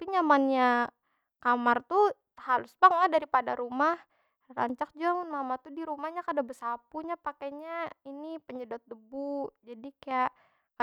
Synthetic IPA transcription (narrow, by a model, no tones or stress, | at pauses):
apiɲamanɲa | kamart̪u | halʊsbaŋladaɾipada̰ɾumah | ra̰ɲt͡ʃak̚d͡ʒuaŋʊnmamat̪udiɾumahɲakadabəsapuɲapakaɲainipəɲədɔt̪̚dəbud͡ʒadikajaʔ | ka